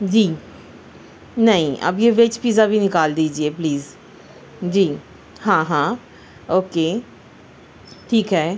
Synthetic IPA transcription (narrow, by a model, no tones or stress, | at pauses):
d͡ʒiː | nɐɦĩʔɐ̰bjeʋet͡ʃpiːzabʱinɪkaːld̪iːd͡ʒiepliːz | d͡ʒiː | ɦãːɦãː | oːkeː | ʈʰiːkɦɛː